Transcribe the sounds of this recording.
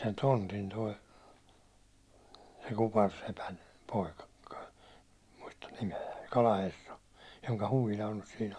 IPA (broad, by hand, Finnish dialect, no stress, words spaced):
sen tontin toi se kupɑrsepæn poikɑ ku̥kɑ̥ muistɑn nimeæ kɑlɑherːɑ joŋkɑ huʋilɑ on n̥ẙs siːn